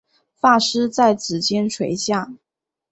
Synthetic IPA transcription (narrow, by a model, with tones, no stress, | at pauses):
fa˥˩ʂɻ̩˥t͡sa˥˩ɪt͡sɹ̩˨˩t͡ɕjɛ˥nʈ͡ʂʰwe˧˥ɪɕja˥˩